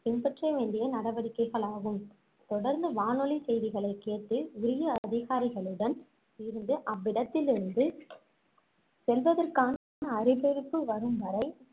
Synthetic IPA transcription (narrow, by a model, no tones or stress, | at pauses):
ɪmbɐʈrɐɪʋeːɳɖɪjɐnɐɽɐʋɐɽɪkːɐɪɣɐɭaːɣɯm | t̪ɔɽɐɾnd̪ɯʋaːnɔlisɛjðɪɣɐɭɐɪkːeːt̪ːɯʊɾɪjɐɐðɪɣaːɾɪɣɐɭɯɽɐn | ɪɾɯnd̪ɯʔɐʋːɪɽɐt̪ːɪlɪɾɯnd̪ɯ | sɛlʋɐðɐrkaːn | nɐːɾɪpɛɾɯpːɯʋɐɾɯmʋɐɾɐɪ